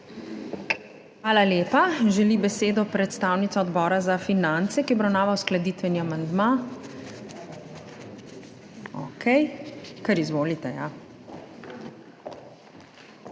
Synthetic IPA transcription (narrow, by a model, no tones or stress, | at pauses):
xʋaːlaleːpaʒɛlibɛseːd̪ɔpɾɛt̪st̪aːwnit̪sɔɔd̪bɔːɾazafinant̪sɛkiɔbɾawnaːʋawsklad̪iːt̪ʋɛniamand̪ma | ɔ̰kʰɛjkɛɾizʋoːlit̪ɛja